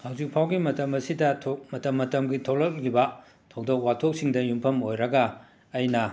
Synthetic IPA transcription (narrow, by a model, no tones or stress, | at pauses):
hawzik̚pʰawɡimɐtɐmɐsidɐtʰomɐtɐmːɐtɐmɡitʰowlɐk̚libɐ | tʰɐwdok̚watʰok̚siŋdɐjumpʰɐmojɾɐɡɐː | jnɐ